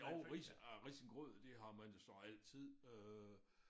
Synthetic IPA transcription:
oʊʁisʁisən̩ɡ̥ʁɔð̰ˠd̥e̝ɦɑ̈mænosɒ̽æl̰t͡sʰið̰ˠø

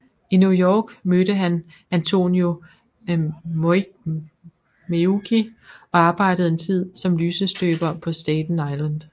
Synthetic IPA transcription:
injujɒːɡ̥mød̥əɦæn | ænt͡sʰo̝̰njo̝ | m | meuɡ̥ʰiɒ̽ɑ̈ːb̥ɑ̈ɪ̰dɾ̥əð̩ˠe̝nt͡sʰið̞̰ˠsɒ̽mlyːsəsd̥øːb̥ɐpʰɒ̽sd̥ɛːd̥n̩ɑ̈ɪlænd̥

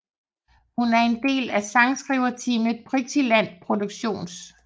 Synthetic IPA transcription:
hunæɐe̝nd̥e̝̰ːlæsɑ̈ŋsɡ̥ʁiʊɐt͡sʰiːməðˠb̥ʰʁisʰilæn̰pʰʁo̝d̥uɡ̥ɕo̝̰ːns

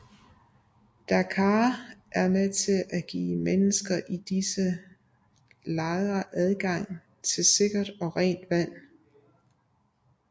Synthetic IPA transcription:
d̥ækʰɑːʔæɐmet͡sʰe̝læɡ̥ḭːmenəsɡ̥ɐʔid̥isə | lɑ̈ɪðɐʔæð̞ˠɡ̥ɑ̈ŋ̰ | t͡sʰe̝lse̝ɡ̥ɐd̥ɒ̽ʁɛ̰ːnd̥ʋæn̰

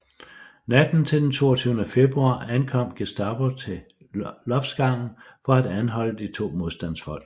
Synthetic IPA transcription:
næd̥n̩t͡sʰe̝ld̥ent͡sʰo̝̰ːɐt͡sʰyːʊnəfe̝b̥ʁuɑ̰̈ːænkʰɒ̽m̰ɡ̥esd̥ɑ̈b̥ot͡sʰe̝ | lɒ̽fsɡ̥ɑ̈ŋ̰n̩fɒ̽æd̥ænɦɒ̽l̰əd̥it͡sʰo̝̰ːmo̝ð̞ˠsd̥æn̰sfɒ̽l̰̥

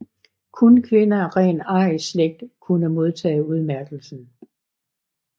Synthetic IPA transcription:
kʰunkʰʋe̝nɐʁɛ̰ːnɑ̈ɪsleɡ̥̚d̥kʰunəmo̝ð̞ˠt͡sʰɛ̰ːuð̞ˠmæɐɡ̥l̩sn̩

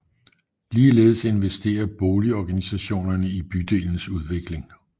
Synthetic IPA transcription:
liːle̝ːð̞̩ˠse̝nʋesd̥e̝̰ːɐb̥oːliɒɡ̥ænisæɕo̝̰ːnɐnəib̥yd̥e̝̰ːln̩suð̞ˠʋe̝ɡ̥le̝ŋ

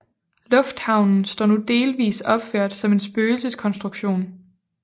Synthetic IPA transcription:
lɔ̽fd̥hɑ̈ʊnn̩sd̥ɒ̰ːnud̥e̝ːlʋḭːsɒ̽b̥føɐ̰d̥sɒ̽me̝nsb̥øːlsəskʰɒ̽nsd̥ʁuɡ̥ɕo̝̰ːn

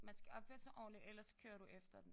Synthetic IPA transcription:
mænsɡ̥æɒ̽b̥føɐsɒʔɒ̰ːlielɐskʰø̰ːɐɾuʔefd̥ɐd̥en̩

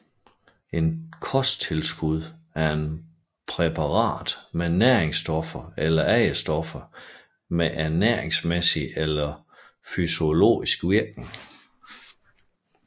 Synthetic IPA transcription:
e̝nkʰɒ̽sd̥̚t͡sʰe̝lsɡ̥uð̞ˠ | æɐe̝n | pʰʁepʰɑ̈ʁɑ̰̈ːd̥menæɐeŋsd̥ɒ̽fɐelɐʔɛɪəsd̥ɒ̽fɐ | meʔæɐneɐ̰eŋsmesielɐ | fyso̝lo̝̰ːisɡ̥ʋiɐɡ̥n̩

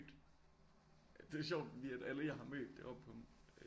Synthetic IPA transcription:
d̥ | d̥e̝æɐɕ̬ɒʊd̥fɒd̥ḭːæd̥æləjɑ̈ɦɑ̈mø̰ːd̥ːe̝ʔɒ̽b̥pʰɒ̽m

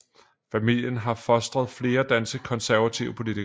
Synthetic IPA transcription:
fæmil̰jənɦɑ̈fɒ̽sd̥ʁɐð̞̩ˠfle̝ːɐd̥ænsɡ̥əkʰɒ̽nsæɐʋæt͡sʰiʊəpʰo̝lit͡sʰi

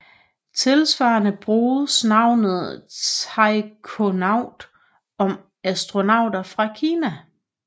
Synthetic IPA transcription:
t͡sʰe̝lsʋɑ̰̈ːnəb̥ʁuːð̩ˠsnɑ̈ʊ̰nð̩ˠt͡sʰɑɪkʰonɑ̈ʊ̰d̥ | ɒ̽m | æsd̥ʁo̝nɑ̈ʊ̰d̥ɐfʁɑ̈kʰiːnæ

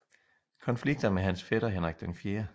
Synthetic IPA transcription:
kʰɒ̽nfliɡ̥̚d̥ɐmeɦænsfeɾ̥ɐɦenʁaɡ̥̚d̥øŋfjeːɐ

